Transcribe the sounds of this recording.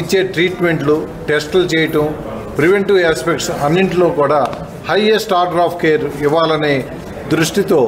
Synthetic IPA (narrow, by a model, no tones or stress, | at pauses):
it͡ʃːe̞ːʈɾiːʈme̞ɳʈlu | ʈesʈɐlt͡ʃeːjɐʈɐm | pɾiʋeɳʈuːaːspekʈsɐnːiɳʈilo̞ːkuːɽaː | hɐjesʈaːɾʈɾaːpʰkeːɾiʋːaːlɐneː | d̪ɾuʂʈit̪o̞ː